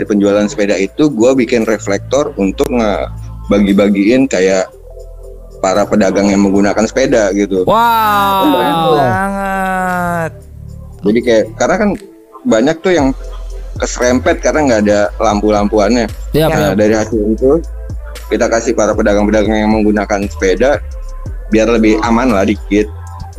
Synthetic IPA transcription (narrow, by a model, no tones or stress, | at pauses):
daɾipəɲd͡ʒualansə̥pedait̪uɡuabikɪnreflɛk̚t̪ɔrunt̪ʊk̚ŋəbaɡibaɡiɪnkajaʔ | paɾapədaɡaŋjaŋməŋɡunakansə̥pedaɡit̪u | kanbərampuŋ | t̪̚ | d͡ʒadikajaʔkarənakan | baɲak̚t̪ʊjaŋkəsɾɛmpɛt̪̚karənaŋɡaːdalampulampuanɲaədaɾihasɪlit̪u | kit̪akasɪpaɾapədaɡaŋpədaɡaŋjaŋməŋɡunakansə̥peda | biarləbɪhamanlahdikɪt̪̚